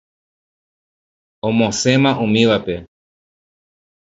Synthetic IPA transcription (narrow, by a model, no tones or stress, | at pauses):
õmõsẽ̞mãʔũmĩʋape̞